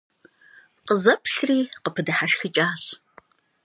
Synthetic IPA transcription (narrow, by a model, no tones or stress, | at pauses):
qəzɐpʰɬriːqəpʰɨdɨħaʂxɨt͡ʃʼaːɕ